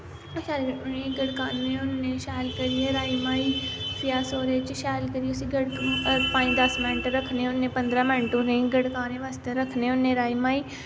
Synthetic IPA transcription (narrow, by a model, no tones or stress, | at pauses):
t͡ʃaẽɡəɽkaːnːẽʊnːẽʃɛːlkəɾieɾaːimaːiːfɪjaːsoːɾet͡ʃʃɛːlkəɾieʊsiɡəɽkpãːĩd̪əsmɪ̃nɳʈɾəkʰneʊnːẽpə̃nd̪ɾãːmə̃ɳʈũnẽɡəɽkaːnẽʋast̪eɾəkʰneʊnːẽɾaːimaːiː